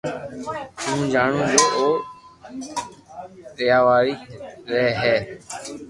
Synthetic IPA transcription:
ɦũːd͡ʒaːɳũːd͡ʒoːʔoː | tɪjaːʋaːɾiːɾɛɦɛː

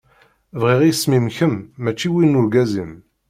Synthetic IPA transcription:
vʁiʁjsmimçəmːæt͡ʃːiwinːʊɾɡæzim

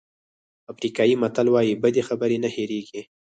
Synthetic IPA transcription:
afɾikɑjimat̪alwɑjibəd̪exabəɾenaheɾeɡi

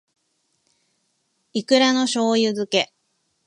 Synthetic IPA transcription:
ikɯ̟ɾano̞ɕo̞ːjɯ̟zɨke̞

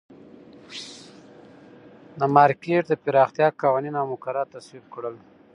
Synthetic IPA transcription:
d̪əmɑɾkeʈd̪əpɪɾɑxt̪jɑkawaninawmʊkaɾat̪aswib̚kɽəl

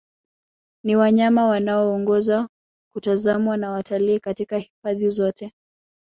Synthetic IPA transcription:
niwaɲamawanaɔːŋɡɔza | kutazamwanawatʰaliːkatikahifaðizɔtɛ

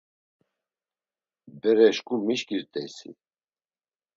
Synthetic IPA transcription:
bɛɾɛʃkumiʃkiɾt̪ʼɛsḭ

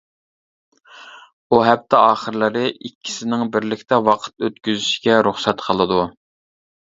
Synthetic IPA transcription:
uɦɛp̚t̪ʰɛɑːχəɾlˠɨɾɨʔikʲʰːi̥sɪnɪŋbɪɾlɪkʲt̪ɛwɑqʰə̥t̪øt̪̚kʲyzyʃi̥ɡʲɛɾuχsɛt̪qʰəlˠɨd̪u

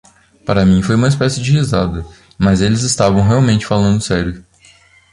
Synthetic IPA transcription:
paɾɐmĩfojũmɐispɛsɪd͡ʒɪhizad̪ɐ | mɐzelɪzɪst̪avɐ̃w̃ɦeawmẽnt͡ʃɪ̥falɐ̃nd̪ʊsɛɾjʊ

